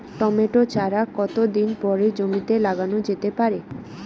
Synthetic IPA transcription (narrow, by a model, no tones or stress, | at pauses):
ʈɔmeʈot͡ɕʰaɾakɔt̪od̪inpɔɾed͡ʑomit̪elaɡanod͡ʑet̪epaɾe